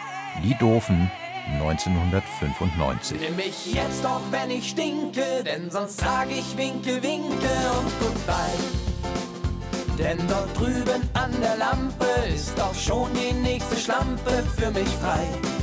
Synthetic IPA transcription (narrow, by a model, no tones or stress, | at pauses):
diːdʊɐfn̩ | nɔʏnt͡seːnhʊndɐtfʏnfʊntnɔ̰ʏnt͡sɪ̰ɛmɪçjɛt͡std̥ɔχvɛnɪçʃtɪŋkədɛnzɔnstz̥aːɡəɪçvɪŋkl̩vɪŋkl̩ʊntɡ̥ʊːtb̥aɪ | d̥ɛndɔɐt̚d̥ʁyːbənʔandeːɐlampəɪstd̥ɔχʃoːndiːnɛːçstəʃlampəfyːɐmɪçfʁaɪ